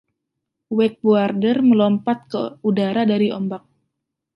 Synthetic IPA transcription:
wɛk̚buardərməlɔmpat̪̚kəudaɾadaɾiɔmbak̚

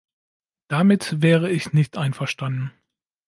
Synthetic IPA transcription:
d̥amɪtvɛːʁəɪçnɪçtʔaɪnfɛɐʃtandn̩

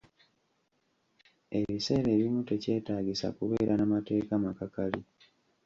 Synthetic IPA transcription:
e̞βise̞ːɾe̞ːβimute̞ce̞ːtaːɟisa̰kuβe̞ːɾʔanamate̞ːkamakakalḭ

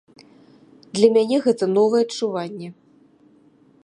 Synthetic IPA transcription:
d̪lʲɐmʲanʲɛɣɛt̪ɐnɔvɐjɛɐt͡ʂuvanʲːɛ

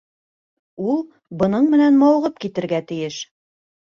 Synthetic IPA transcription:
ulˠ | bɤ̆nɤɴmɘ̆nænmɑwʁɤpkit̪ɘ̆ɾɡæt̪ɘ̆jɘʃ

